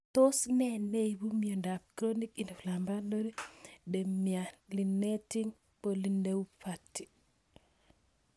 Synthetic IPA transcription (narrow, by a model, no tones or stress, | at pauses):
tosnɛnejbumiondapkɾonikindiflambaloɾidemialinːetiŋ | polindewupʰatːi̥